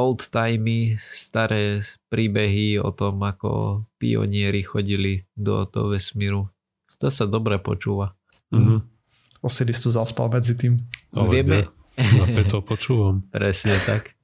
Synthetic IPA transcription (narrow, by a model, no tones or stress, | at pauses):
ɔlˠt̪ːajmist̪aɾɛːpɾiːbɛɦiɔ̰t̪ɔmakɔ̰pḭɔ̰ɲɪɛɾixɔɟilid̪ɔ̰d̪̥ɔ̰ʋɛsmiːɾu | t̪ɔsad̪ɔbɾɛpɔ̰t͡ʃuːʋa | ɔsilist̪uzaspa̰lmɛd͡zit̪iːmʋɪɛmɛ | aɛɔpɔt͡ʃuːʋampɾɛsɲɛt̪ak